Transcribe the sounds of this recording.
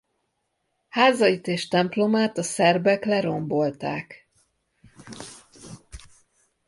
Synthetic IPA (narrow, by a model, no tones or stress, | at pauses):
haːzɒit̪eːʃt̪ɛmplo̞maːt̪ɒsɛrbɛklɛɾo̞mbo̞lt̪aːk